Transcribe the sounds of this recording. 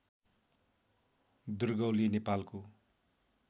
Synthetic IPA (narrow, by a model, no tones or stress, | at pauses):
d̪urɡʌwlinepalko